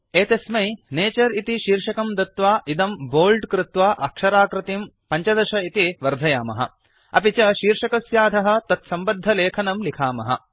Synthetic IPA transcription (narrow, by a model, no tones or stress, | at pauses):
eːt̪esmɐjneːt͡ʃɐɾit̪iʃiːɾʂɐkɐmd̪ɐt̪ʋaːʔid̪ɐmboːlɖkɾɪt̪ʋaːʔɐkʂɐɾaːkɾɪt̪im | pɐɲt͡ʃɐd̪ɐʃɐit̪iʋɐɾd̪ʱɐjaːmɐ̰ɦɐ̰ | ɐ̰pit͡ʃɐʃiːɾʂɐkɐsjaːd̪ʱɐɦɐ̆t̪ɐt̪sɐmbɐd̪ʱːɐleːkʰɐnɐmlikʰaːmɐɦɐ̰